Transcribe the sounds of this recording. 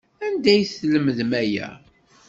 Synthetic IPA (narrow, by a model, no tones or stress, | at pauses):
ænd̪æjθləməðmæjæ̰